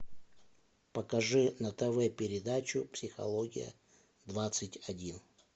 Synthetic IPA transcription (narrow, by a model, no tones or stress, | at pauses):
pəkɐʐɨnɐt̪əvɛpʲɪɾʲɪd̪at͡ɕʊpsʲɪxɐ̰lˠoɡʲɪ̰jə̰ | d̪vat̪sɨtʲɐdʲin